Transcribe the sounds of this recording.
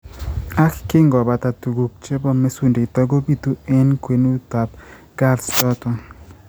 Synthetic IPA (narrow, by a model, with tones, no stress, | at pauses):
a˦kkɪ˦ŋɡɔ˨ba˨t̪a˨tu˨ɡu˨k̚t͡ʃe˦bɔ˦me˦su˨nde˨t̪ɔ˦ɡo˦bi˦t̪u˦e˦nkwe˨nu˦t̪a˨p̚ | ɡa˦lstɔ˦t̪ɔ˨